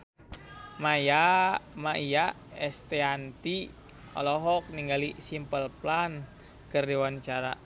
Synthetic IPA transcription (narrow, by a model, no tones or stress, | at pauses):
majamaʔija | ɛst̪eant̪i | ɔ̰lɔɦɔk̚niŋɡalisimpəlplan | kərdewant͡ʃaɾa